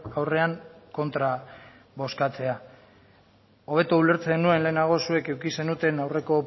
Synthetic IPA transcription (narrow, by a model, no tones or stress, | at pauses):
awre̞aŋko̞nt̪ɾa | βo̞skat͡se̞a | o̞β̞e̞t̪uule̞ɾt͡senue̞nle̞ːnaɣ̞o̞sue̞ke̞wkise̞nut̪e̞nawre̞ko̞